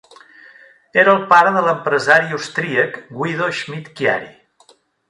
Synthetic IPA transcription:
eɾəːlˠpaɾəðələmpɾəzaɾiust̪ɾiəkɡwiðoʒmit̪kja̰ɾḭ

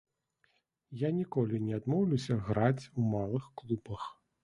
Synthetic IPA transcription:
janʲikɔlʲinʲɛad̪mɔwlʲusʲɐɣɾat͡sʲumalˠɨxklˠubɐx

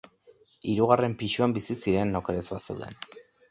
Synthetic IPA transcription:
iɾuɣ̞are̞mpiʃuambisisiɾe̞nːokeɾezβasewðe̞̰n

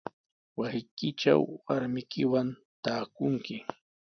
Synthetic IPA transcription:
wasɪjkɪt͡ʃa̰wwaɾmɪkɪwan | t̪aːkʊŋkɪ

